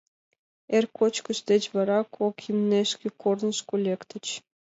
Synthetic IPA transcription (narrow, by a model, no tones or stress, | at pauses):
erʲkʰot͡ɕkə̆ʃt̪ʲet͡ɕʋɑɾɑkʰokʲimnʲeʃkʲekornɤ̆ʃkulʲekt̪ʲɘ̆t͡ɕ